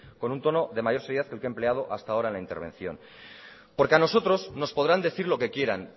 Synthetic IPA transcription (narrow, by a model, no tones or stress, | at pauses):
ko̞nunt̪o̞no̞ðe̞maʝo̞ɾse̞ɾjeaθkelkemple̞að̞o̞ʔast̪aoɾaenlaint̪e̞ɾβẽ̞̰n̟θjo̞̰n | po̞ɾkeano̞so̞t̪ɾo̞zno̞spo̞ð̞ɾand̪e̞θiɾlo̞ke̞kje̞ɾa̰n